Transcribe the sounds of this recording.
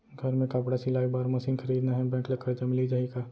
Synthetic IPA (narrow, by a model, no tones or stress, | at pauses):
ɡʱɐɾmẽkapɽasilaːibaːɾmɐsɪ̃nkʰɐɾiːd̪naɦɛ̃bɛ̃ːklɐkʰːəɾd͡ʒɐmɪlid͡ʒaːɦikaː